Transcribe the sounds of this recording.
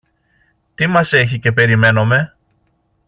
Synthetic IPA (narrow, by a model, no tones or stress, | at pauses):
t̪imɐse̞ç̬ice̞pe̞ɾime̞no̞me̞